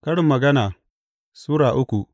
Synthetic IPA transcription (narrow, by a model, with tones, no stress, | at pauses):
kɐ˦ɽɪ˨mːɐ˨ɡɐ˦naː˨ | suː˦ɽaː˨ʔʊ˦kʷu˨ʔ